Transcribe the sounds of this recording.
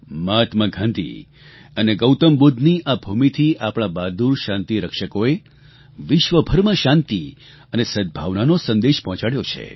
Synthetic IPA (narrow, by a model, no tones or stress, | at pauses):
mat̪məɡʱãnd̪ḭ | əneɡəwt̪əmbud̪ʱniʔabʱumit̪ʰiʔapɽ̃abad̪uɾʃãnt̪iɾəkʃəkoe | ʋɪʃʋəbʱəɾməʃãnt̪i | ənesəd̪̚bʱaʋnanosə̃nd̪eʃpɔɦɔ̃t͡ʃaɽjot͡ʃʰḛ